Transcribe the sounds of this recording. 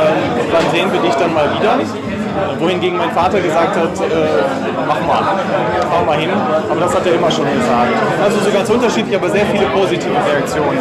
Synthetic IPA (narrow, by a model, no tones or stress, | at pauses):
ʔɛːmv̥anzeːənviːɐdɪçd̥anmaːlviːdɐ | voːhɪnɡeːɡŋ̩maɪnfaːtɐɡəzaːk̚thatʔɛː | maχəma̰ːl | faʊəmaːlhɦɪnʔaːbɐdashateːɐʔɪmɐʃoːnɡəzaːk̚tʔalzozoːɡant͡sʔʊntɐʃiːtlɪçʔaːbɐzeːɐfiːləpʰoːzitʰiːvəʁeak̚t͡sjoːnən